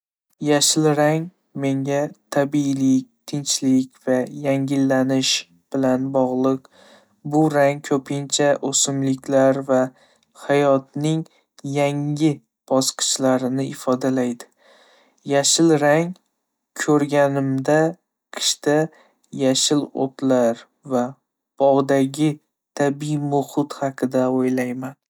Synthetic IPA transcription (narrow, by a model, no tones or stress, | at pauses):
jaʃɪlɾaŋ | me̞ŋʲat̪ʰabilɪk̚ʲt̪ʰɪnt͡ʃlɪkʲv̥ajaŋʲɪlːanɪʃ | b̥ɪlanbɒʁlˠɨq | bʊɾaŋkʲʰɵpʰɪnt͡ʃʰaʔosɪmlɪkʲlaɾva | hajɒt̪̚nɪŋ | jaŋʲɪ | b̥ɒsqʰɨ̥t͡ʃlaɾɪnɪɪfɒd̪alajd̪ɪ̥ | jaʃɪlɾaŋ | kʰɵɾɡʲanɪmd̪a | qʰɨ̥ʃt̪a | jaʃɪlo̰t̪laɾ | va | b̥ɒʁd̪aɡʲɪ | t̪ʰabimʊhʊt̪hɑqʰɨd̪aojlajman